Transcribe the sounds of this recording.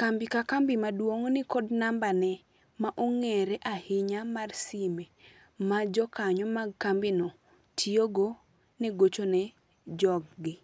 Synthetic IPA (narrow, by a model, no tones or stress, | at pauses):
kambikakambɪmadwoŋnɪkɔdnambanɛ | maʔoŋeɾɛʔahɪɲamarsime | mad͡ʒɔkaɲɔmaɡ̚kambino | tʰioɡo | nɛɡot͡ʃonɛ | d͡ʒɔɡːɪ